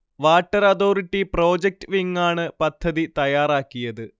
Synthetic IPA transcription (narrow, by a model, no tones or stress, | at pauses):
ʋaːʈːɐɾɐðoːriʈːiproːd͡ʑek̚ʈɨʋiŋːaːɳɨpɐd̪ʱːɐðit̪ɐjaːraːkːijɐðɨ